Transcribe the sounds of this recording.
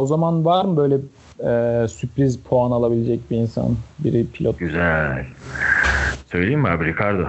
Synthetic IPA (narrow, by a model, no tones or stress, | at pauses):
ozamanvaɾmɯbø̞jlʲɛ | ɛːsypɾizpʰoanalˠabilʲed͡ʒɛc̚biinsa̰nbiɾipʰilʲot̪ɟyzælʲ | sø̞jlʲejima̰ɾbiɾikʰaɾd̪ɯ